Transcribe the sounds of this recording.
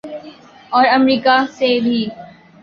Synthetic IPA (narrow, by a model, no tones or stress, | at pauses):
ɔːɾɐmɾiːkasebʱiː